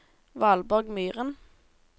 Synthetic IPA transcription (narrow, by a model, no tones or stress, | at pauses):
ʋɑːlbɔʁɡmyːʁən